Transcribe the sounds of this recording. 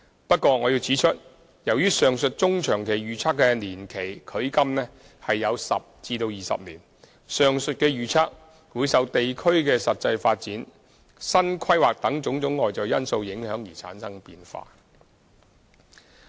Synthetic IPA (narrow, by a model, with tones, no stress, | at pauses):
pɐ˥t̚kʷɔː˧ŋɔː˨˧jiː˧wt͡siː˨˥t͡ʃʰɵ˥t̚ | jɐ˨˩wjyː˥sœː˨ŋsɵ˨t̚t͡sʊ˥ŋt͡ʃʰœː˨˩ŋkʰe˨˩jɥyː˨t͡sʰaː˥kːɛː˧niː˨˩nkʰe˨˩jkʰɵ˨˥ɥkɐ˥mnɛː˥ | hɐ˨jːɐ˨˧wsɐ̰˨p̚t͡siː˧t̪o˧wjiː˨˩sɐ̰˨p̚liː˨˩n | sœː˨ŋsɵ˨t̚kɛː˧ɥyː˨t͡sʰaː˥k̚ | wuː˨˧jsɐ˨˧wt̪e˨jkʰɵ˥ɥkɛː˧sɐ˨t̚t͡sɐ˧jfaː˧t̚t͡siː˨˥n | sɐ˥nkʰɐ˥jwaː˨k̚t̪ɐ˨˥ŋt͡sʊ˨˥ŋt͡sʊ˨˥ŋːɔː˨jt͡sɐ˨˩wjɐ˥nso˧wjɪ˨˥ŋhœː˨˥ŋjiː˨˩t͡sʰa̰ː˨˥nsɐ˥ŋpiː˧nfa̰ː˧